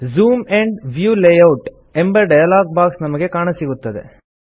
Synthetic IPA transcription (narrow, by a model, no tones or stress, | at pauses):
zuːmeɳɖʋjuːlejɐwʈ | embɐɖɐjɐlaːɡ̚baːksnɐmɐɡekaːɳɐsiɡut̪ːɐd̪ḛ